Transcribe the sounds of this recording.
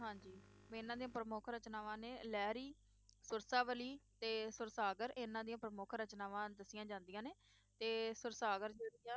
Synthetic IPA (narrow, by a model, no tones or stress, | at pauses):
ɦãːd͡ʒiːɪnːãːd̪ijãːpɾəmʊkʰɾət͡ʃnaːʋãːneːlɛːɾiː | sʊɾsaːʋəliːt̪eːsʊɾsaːɡəɾɪnãːd̪iːãːpɾəmʊkʰɾət͡ʃnaːʋãːd̪əsɪjãːd͡ʒãːnd̪ijãːneː | t̪eːsʊɾsaːɡəɾd͡ʒəːɾijãː